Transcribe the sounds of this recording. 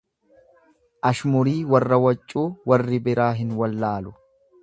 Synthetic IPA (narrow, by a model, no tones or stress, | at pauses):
ʔɐʃmʊɾiːwɐrːɐwɐt͡ʃʼːuːwɐrːɪbɪɾaːɦɪnwɐlːaːlʊ